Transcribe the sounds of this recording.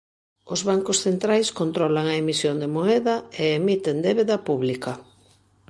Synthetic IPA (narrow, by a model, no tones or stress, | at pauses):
ʊzβaŋkosθent̪ɾajskont̪ɾɔlaŋɐemisjond̪emoɛðɐeeːmit̪end̪eβeðɐpuβlikɐ